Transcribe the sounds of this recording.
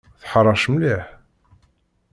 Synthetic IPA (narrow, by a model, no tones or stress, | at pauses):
θħrˤɑʃmliħ